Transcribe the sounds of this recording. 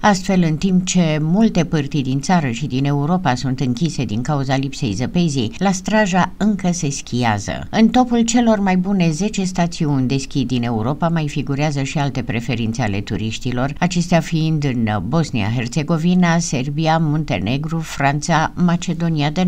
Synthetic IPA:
ast̪fe̞lɨnt̪imp̚t͡ʃe̞mult̪e̞pɨrt̪ijd̪int̪saɾəʃid̪ine̞uɾo̞pasunt̪ɨŋkʲise̞d̪iŋkauzalipse̞̰jzəpe̞zijlast̪ɾaʒaɨŋkəse̞skʲijazə̰ɨnt̪o̞pult͡ʃe̞lo̞rmajbune̞ze̞t͡ʃe̞st̪at̪siunʲd̪e̞skʲid̪ine̞uɾo̞pamajfiɡuɾeazəʃialt̪e̞pɾe̞fe̞ɾint̪seale̞̰t̪ṵɾiʃt̪ilo̞rat͡ʃe̞st̪eafiind̪ɨnbo̞snḭa̰ɦe̞rt̪se̞ɡo̞vinase̞rbiamont̪e̞̰ne̞ɡɾufɾant̪samat͡ʃe̞d̪o̞niad̪e

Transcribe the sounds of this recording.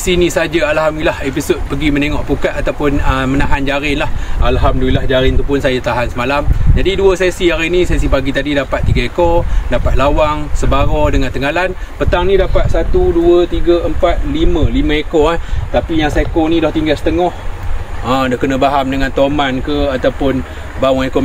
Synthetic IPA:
sinisad͡ʒaalɦamilahepisod̪̚pəɡiməneŋɔʔpukat̪̚at̪awpʊnəmənaɦand͡ʒaɾɪnlahalɦamduilahd͡ʒaɾɪnt̪upʊnsajat̪aɦansəmalamd͡ʒadiduəsesiaɾinisesipaɡit̪adidapat̪̚ːiɡəekodapat̪̚lawaŋsəbaɾɔdəŋant̪əŋɡalan | pət̪aŋnĩdapat̪̚sat̪uduət̪iɡəʔəmpat̪̚liməlimə̃ekɔaht̪apijaŋsekonidɔht̪iŋɡasət̪əŋɔh | ədɔhkənəbaɦamdəŋant̪omankəat̪awpʊn | baueko

